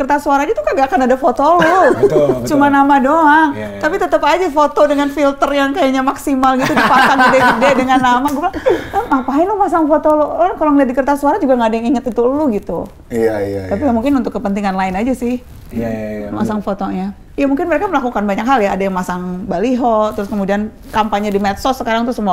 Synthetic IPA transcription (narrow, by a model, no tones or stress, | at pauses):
ərt̪asuaɾaɲat̪ukaɡakanadafot̪olu | t͡ʃumanamadoaŋt̪apit̪ət̪əpad͡ʒafot̪odəŋanfilt̪ərjaŋkajaɲamaksimalɡit̪udipakkaŋdideidedəŋanːamaɡubəlaəmapaɛlumas̬aŋfot̪olɔakaloŋəiat̪̚dikərt̪asuaɾad͡ʒuɡaŋɡadaŋiŋət̪it̪uluɡit̪ṵ | t̪apiɡamuŋkɪnunt̪ʊkːəpənt̪iŋanlaɪnad͡ʒasɪh | ma̰saŋfot̪oɲa | jamuŋkɪnməɾekaməlakukanbaɲakɦaljaːdajaŋmasaŋbaliɦɔt̪ɾʊskəmudian | kampaɲadimɛt̪̚sɔsəkaɾaŋt̪usəmua